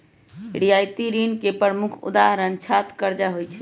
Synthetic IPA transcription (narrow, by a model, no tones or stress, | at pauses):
ɽijajt̪iɾinkepəmukʰṵd̪aɦəɾənt͡ʃʰat̪kəɾd͡ʒaɦojt͡ʃʰɛ̥